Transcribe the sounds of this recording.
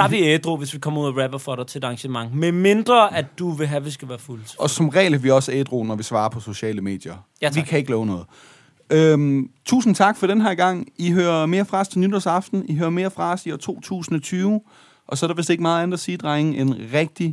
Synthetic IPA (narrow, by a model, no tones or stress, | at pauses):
ɑʋieːd̥ʁo̝ʋe̝sʋikʰɒ̽mɐuð̰ˠɐʁɛb̥ɐfɒɾ̥ɐt͡sʰe̝d̥ɑ̈ŋɕəmɑ̈ŋmeme̝nd̥ʁɐæd̥uʋe̝ɦæʋisɡ̥æʋæːɐfuld̥ɒ̽sɒ̽mʁɛ̰ːlæʋiɒ̽səeːd̥ʁo̝nɒʋisʋɑ̈ːɐpʰɒ̽so̝ɕɛ̰ːləme̝̰ːd̥jɐ | ʋikʰæe̝ɡ̥əlɛːʊnɔ̽ːð̞̩ˠ | øt͡sʰṵːs̬n̩t͡sʰɑ̈ɡ̥fɒ̽ɾ̥enɦæɐ̰ɡ̥ɑ̈ŋ̰iɦøːɐme̝ːɐfʁɑ̈st͡sʰe̝lnydɒsɑ̈fd̥n̩iɦøːɐme̝ːɐfʁɑ̰̈ːsd̥iɒt͡sʰo̝̰ːt͡sʰṵːsn̩ɒ̽t͡sʰyːʊ | ʔɒ̽sɒ̽æɐɾ̥ɑ̈ʋesd̥ee̝ɡ̥mɑ̈ːð̩ˠænd̥ˠæsiːd̥ʁɑɪŋ̩enʁɛɡ̥̚d̥i